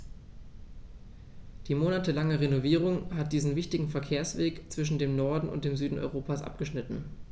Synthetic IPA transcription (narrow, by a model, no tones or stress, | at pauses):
d̥iːmoːnatəlaŋəʁenoviːʁ̞ʊŋhat̚d̥iːzn̩vɪçtɪɡŋ̩fɛɐkʰeːɐsv̥eːkt͡sv̥ɪʃ̬n̩deːmnɔɐdn̩ʊ̰nt̚d̥eːmzyːdn̩ʔɔ̰ʏʁoːpasʔa̰p̚ɡ̥əʃnɪtn̩